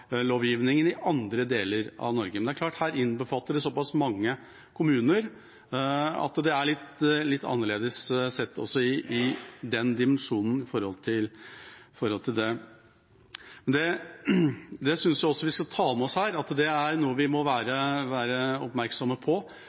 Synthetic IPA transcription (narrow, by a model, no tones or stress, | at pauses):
loːʋjiːʋnɪŋənɪʔɑnd̪ɾəd̪eːləɾɑ̰ʋnɔɾɡəmɛnd̪æɾklɑːʈhæːɾɪnbəfɑt̪ːəɖɛsɔpɑsmɑŋːə | kʰʊmʉːnəɾ | ɑ̰t̪d̪ɛæɭɪt̪ːlɪt̪ːɑ̰nːəɭeːd̪əssɛt̪ːɔ̰sːɔɪʔɪd̪ɛnd̪ɪmɛnʂuːnn̩ɪfɔɾhɔ̰lt̪ʰɪlfɔɾhɔlt̪ʰɪld̪ɛ | mɛnd̪ɛ | d̪ɛsʏnsjæɪɔsːɔʋɪskɑt̪ʰɑːmɛɔshæːɾɑt̪d̪ɛæɾnuːəʋɪmɔʋæːɾəʋæːɾəɔpmæɾksɔməpʰɔ